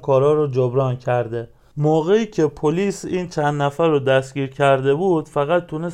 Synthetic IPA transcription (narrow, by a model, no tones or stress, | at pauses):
kʰɒːɾɒːɾɔd͡ʒobɾɒːncʰæɾd̪e̞ | moːɣe̞iːcʰe̞pʰoliːsiːnt͡ʃʰænd̪næfæɾːɔd̪æstɟiːɾcʰæɾd̪e̞buːd̪̥fæɣæt̪̚ʰːune